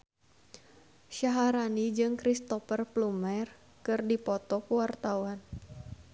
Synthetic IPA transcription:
ʃaɦaɾanid͡ʒɨŋkɾist̪ɔfərplumɛr | kɨrdipɔt̪ɔkəwart̪awan

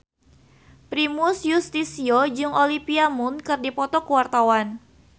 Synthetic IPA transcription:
pɾimʊsjust̪isiod͡ʒɨŋolipiamʊnkɨrdipɔt̪ɔkuwart̪awan

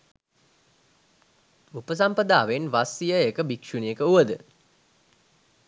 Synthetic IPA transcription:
upəs̬ampəd̪aːʋenʋasijəekəbikʂunijəkəuʋəd̪ə

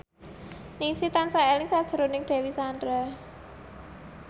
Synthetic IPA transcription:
niŋsit̪ansaɛlɪŋsad̥ʒ̥ə̤ɾonɪŋd̪̥ɛ̤wisandɾa

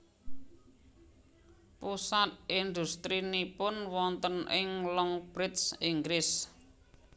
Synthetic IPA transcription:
pusat̪̚ʔind̪ṳst̪ɾinipʊnwɔnt̪ənʔɪŋlɔŋb̥ɾɪt̪siŋɡɾɪs

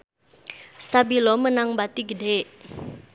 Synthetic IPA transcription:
st̪abilɔmənaŋbat̪iɡədeʔ

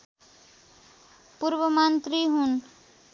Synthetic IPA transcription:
puɾbʌmant̪riɦun

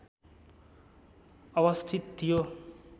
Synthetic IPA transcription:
ʌβʌst̪ʰit̪̚t̪ʰːijo

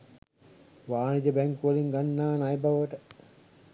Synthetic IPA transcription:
ʋaːnid͡ʒ̪əbæŋkuʋəliŋɡanːaːnajbaʋəʈə

